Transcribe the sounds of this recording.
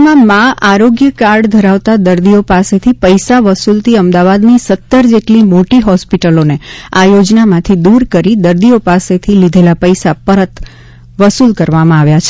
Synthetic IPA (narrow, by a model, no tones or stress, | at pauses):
mãmãaɾoɡjəkaɖd̪ʱəɾaʋt̪ad̪əɾd̪iopaset̪ʰipəjsaʋəsult̪ʰiəmd̪aʋad̪nisət̪ːəɾd͡ʒeʈlimoʈiɦɔspiʈəloneajod͡ʒnamãt̪ʰid̪uɾkəɾid̪əɾd̪iopaset̪ʰilid̪ʱelapəjsapəɾət̪ | ʋəsulkəɾʋamãaʋjat͡ʃʰe